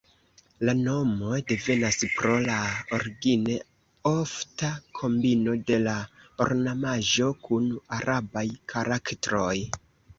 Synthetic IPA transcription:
lano̞mo̞jde̞ve̞naspɾo̞laoɾɡine | o̞ftakʰo̞mbino̞de̞lao̰ɾnamaʒo̞kunaɾʔabajkʰaɾaktɾo̞j

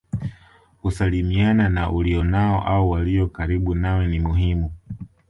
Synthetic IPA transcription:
kusalimiananaʔuliɔnaɔ̰ʔaɔwaliɔkaɾiɓunawɛnimuɦimu

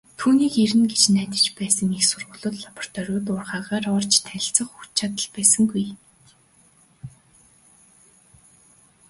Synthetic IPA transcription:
t̪ʰuːniːkeɾɘ̆nɡet͡ɕnæːt̪ʲə̥̆t͡ɕpæːsə̆ŋexsʊrʁʊ̆ːɮʊ̆ːt̪ɮapɔ̥r̥t̪ʰɔɾʲʊːt̪̬ʊːrχaːʁaːrɔːrt͡ɕt̪ʰæ̆ɬt͡sə̆χut͡ɕʰat̪ə̆ɮpæːsə̆ŋɡuj

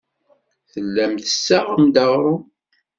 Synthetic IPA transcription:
θəlːæmθəsːaʁəmd̪ɑʁɾˤʊ

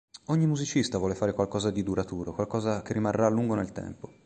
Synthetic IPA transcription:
oɲːimuzit͡ʃist̪avwɔːlefaːɾekwalkɔːzad̪id̪uɾat̪uːɾokwalkɔːzakerːimarːalːuŋɡonelt̪ɛ̰mpo

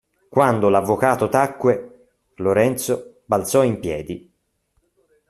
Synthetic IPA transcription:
kwand̪olavːokaːt̪ot̪akːwe | loɾɛnt̪so | balt̪sɔimpjɛːd̪i

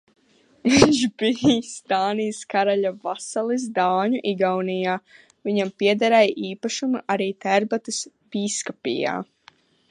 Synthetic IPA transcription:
mɛnʒbist̪aːnijskaɾaʎavasalˠis̬d̪aːɲuʔiɡawnijaː | viɲampiɛd̪aɾɛjʔiːpaʃumuʔaɾiːt̪ɛɾbat̪ɨs | b̥iskapḭja̰ː

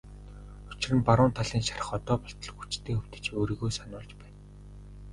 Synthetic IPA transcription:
ʊt͡ɕɪ̆rɘ̆npaɾʊːnt̪ʰaɮiːnʃaɾə̥̆χɔt̪ɔːpɔ̥ɬt̪ɞ̆ɮ̆xut͡ɕt̪ʰeːxɵw̥t̪ɘ̥̆t͡ɕoːɾiɣoːjsanʊːɮt͡ɕpæːn

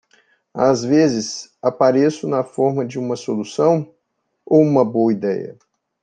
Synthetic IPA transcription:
a̰zvezɪsapaɾesʊnɐfɔɾmɐd͡ʒɪũmɐsolusɐ̃w̃ | owũmɐboɐid̪ɛ̰jɐ̰

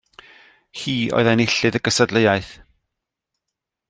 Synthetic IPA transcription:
hiːʔɔ̰ɨðanɪɬɨðəɡəsədləjaɨθ

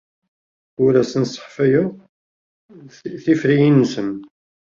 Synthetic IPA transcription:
ʊɾæsənsˤə̥ħfæjʊ | θifɾijinːsəm

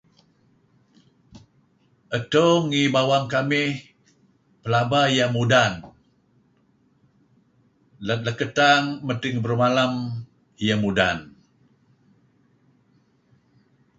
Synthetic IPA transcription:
ʔətoŋibawaŋkamɪh | pəlabajamudan | lələkətaŋmətɪŋbərmalam | jamuda̰n

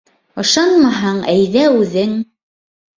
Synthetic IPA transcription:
ŏʃɑnmɑɦɑɴæjðæʉðɘŋ

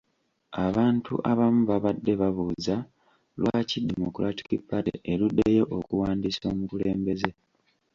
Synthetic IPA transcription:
aβaːntʰṵʔaβamuβaβadːe̞βaβuːza | lwʔacidemo̰kuɾati̥kipatḛʔelude̞je̞ʔokuwaːndiso̞ːmukule̞ːmbe̞ze̞

